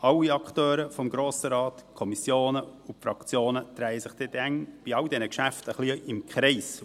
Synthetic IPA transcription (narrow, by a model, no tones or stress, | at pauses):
ɑlːiɑkχtøːɾəfɔmɡɾoːsəɾɑːt̪kʰɔmisjoːnəufɾɑkt͡sjoːnət̪ɾæɪəsɪχd̥ɛdɛŋb̥iɑwdɛnəkʃæftəχliɪmkχɾɛɪs